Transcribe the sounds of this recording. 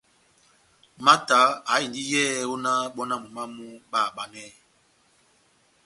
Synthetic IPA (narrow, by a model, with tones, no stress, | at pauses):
ma˦ta˨˦a˨˦i˨di˦jɛ˦˨˦o˦na˦ɓɔ˦na˦mu˨ma˦mu˦ɓa˦˨ɓa˦nɛ˦